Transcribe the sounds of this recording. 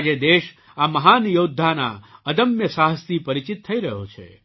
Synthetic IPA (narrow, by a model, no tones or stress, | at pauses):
d͡ʒed̪eʃ | aməɦanjod̪ʱːana̰əd̪əmjəsaɦəst̪ʰipəɾit͡ʃit̪ʰːəiɾəɦo̰t͡ʃʰḛ